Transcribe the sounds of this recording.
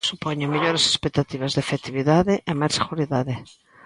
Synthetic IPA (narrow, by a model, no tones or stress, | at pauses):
supɔɲʊmiʎoɾese̥spek̚t̪at̪iβɐzðefet̪iβiðaðɪʔemajseɣuɾiðaðɪ